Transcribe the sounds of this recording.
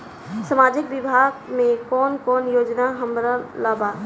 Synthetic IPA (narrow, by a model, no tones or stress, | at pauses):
səmaːd͡ʒɪkbɪbʱaːɡmẽkɔːnkɔːnjoːd͡ʒnaɦəmɾəlaːbaː